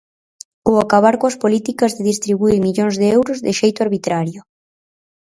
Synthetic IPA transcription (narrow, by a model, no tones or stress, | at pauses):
oakaβ̞aɾkoɐspolit̪ikazðeðist̪ɾiβuiɾmiʎoŋzðeewɾʊzðɪʃejt̪ʊaɾβit̪ɾaɾjʊ